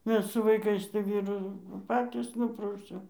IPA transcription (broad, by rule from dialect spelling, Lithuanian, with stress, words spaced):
ˈmʲɛs sʊ ʋɐɪˈkɐɪs tɐɪ ˈʋʲiːrʊ nʊ ˈpɑːtʲiːs ˈnʊprɐʊsʲɛʊ